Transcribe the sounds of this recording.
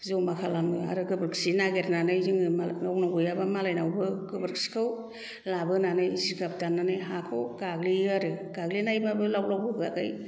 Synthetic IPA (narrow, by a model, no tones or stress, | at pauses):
zowmakʰalamɯa̰ɾɯɡɯbɯɾksinaɡetnanɯjzɯŋɯaawnawɡɯjabamalajnawbɯɡɯbɯɾksi̥kʰɯw | labɯnanɯjiziɡap̚danːanɯjɦakʰɯwɡ̥aɡliaɾɯɡ̥aɡlinajbabɯlawlawbɯbɯa̰ɡaj